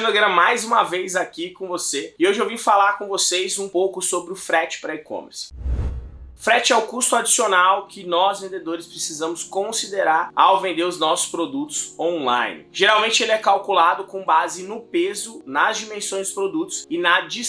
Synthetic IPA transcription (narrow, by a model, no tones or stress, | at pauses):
d̪ɐɡɛ̃ɾɐmajzũmɐvejzakikõvoseɪewʒavĩʊfalaɾkõvosejzũpowkʊsobɾɪʊfɾɛt͡ʃɪ̥pɾɛikõ̰mḛɾs | fɾɛt͡ʃɪɛʊkust̪ʊad͡ʒisionawkɪnɔzvẽnd̪ed̪oɾɪspɾesizɐ̃mʊskõsid̪eɾaɾawvẽnd̪eɾʊznɔsʊ̥spɾod̪ut̪ʊ̥z̥õlã̰jnɪ̰ʒ̥eɾawmẽt͡ʃɪelɪɛkawkulad̪ʊkõbazɪnʊpezʊnɐzd͡ʒimẽsõj̃zd̪ʊspɾod̪ut̪ʊ̥sɪnɐd͡ʒi